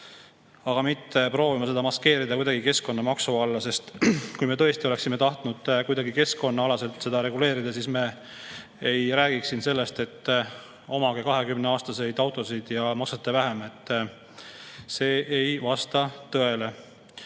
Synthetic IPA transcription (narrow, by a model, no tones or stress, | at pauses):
ɑɡ̥ɑmit̪ːe̞pro̞ːvimɑse̞d̪ɑmɑske̞ːɾid̪ɑkujd̪ɑɡ̥ike̞sko̞nːɑmɑksuɑlːɑse̞st̪kujme̞t̪ɤ̞e̞st̪io̞le̞ksimet̪ɑht̪nud̪̥kujd̪ɑɡike̞sko̞nːɑɑlɑse̞lt̪ˑse̞d̪̥ɑɾe̞ɡule̞ːɾid̪̥ɑsiːsme | ejɾæːɡ̥iksinse̞lːe̞st̪e̞t̪ː | o̞mɑɡekɑɦe̞kymneɑːst̪ɑse̞jd̪ɑwt̪ˑo̞sijd̪̥jɑmɑksɑt̪ːˑevæɦeme̞t̪ˑː | se̞ːʔejvɑst̪ɑt̪ɤe̞le̞